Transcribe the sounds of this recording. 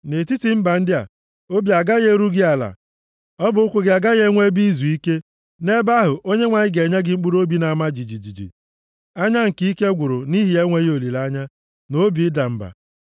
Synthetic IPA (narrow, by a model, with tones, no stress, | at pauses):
ne˨ti˦ti˨m̩˦ba˨n̩˦dɪ˦a̰˨ | o˦bi˨a˨ɡa˦ɣe˦ɾu˦ɡɪ˦a˨la̰˨ | ɔ˦bʊ˨ʊ˦kʷʊ˦ɡɪ˨a˨ɡa˦ɣe˦ŋʷe˦bi˦zu˨i˦ke˦ | ne˦ba˦ɦʊ˨ʔo˦ɲe˦ŋʷa˨ɲɪ˦ɡe˨ɲa˦ɡɪ˨ŋ͡m̩˦k͡pu˦ɾo˦bi˦na˨ma˦d͡ʒi˨d͡ʒi˨d͡ʒi˨d͡ʒḭ˨ | a˦ɲa˦ŋ̩˨ki˦i˦ke˦ɡʷʊ˨ɾʊ˨ni˦ɦi˨e˦ŋʷe˦ɣo˨li˨la˦ɲa˦ | no˦bi˨ɪ˦da˨m̩˦ba̰˨